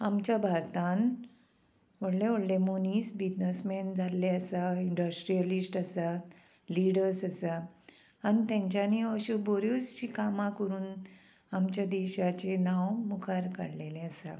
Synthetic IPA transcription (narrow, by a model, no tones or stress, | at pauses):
amt͡ɕjabʱaɾt̪an | ʋəɽleʋoɽlemoniːsbid͡ʑnəsmend͡zʱalːeəsaiɳɖəsʈɾijəlisʈəsa | liɽəɾsəsa | anit̪ãɲt͡ɕjaniəɕuboɾjust͡ɕiːkamãkəɾuːn | amt͡ɕjad̪eɕat͡ɕenawmukʰaɾka̰ɽlelẽəsa̰